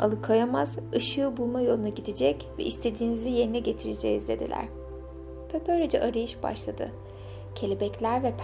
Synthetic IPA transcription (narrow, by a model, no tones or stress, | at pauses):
a̰lˠɯkʰajamaz̥ɯʃɯːbulˠmajo̞lˠunaɟid̪id͡ʒɛcvɛ̰ʔist̪ʰe̞d̪iːnizije̞ɾinɛɟe̞t̪ʰiɾed͡ʒɛ̰jizd̪e̞d̪ḭlʲæ̰ɾ̥ | pʰøbøjɾed͡ʒɛʔaɾajɯʃba̰ʃlˠad̪ɯ̰ | cʰe̞lʲibɛclʲæɾvɛpʰ